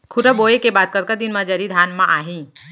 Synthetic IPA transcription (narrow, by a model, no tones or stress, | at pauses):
kʰʊɾəboːekebaːd̪̚kɐɾkad̪inmad͡ʒaɾid̪ʱaːnmãʔaːɦĩː